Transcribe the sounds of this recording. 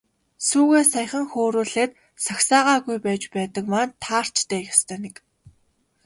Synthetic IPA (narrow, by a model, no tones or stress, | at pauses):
suːɣeːsajχə̆ŋxoːɾuːɮeːt̪ | saxsaːʁaːɣujpæːt͡ɕpæːt̪ə̆kmaːnt̪ʰaːr̥t͡ɕt̪eːxest̪ʰœːnek